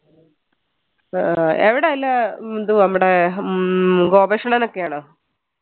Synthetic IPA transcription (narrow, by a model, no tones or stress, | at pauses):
eʋiɽeɐlːɐond̪unɐmːuɽe | ɡoːbeʂɐɳɐnokːejaːɳɨ